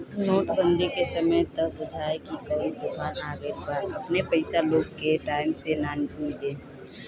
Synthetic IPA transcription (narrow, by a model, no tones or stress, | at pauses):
noːʈbə̃nd̪ikesəməjt̪əd̪ʊd͡ʒʱaekikəud̪ʊkʰaːnaːɡepəɾəpnepəɪsaloːɡkeʈaːɪmsenaːnmĩde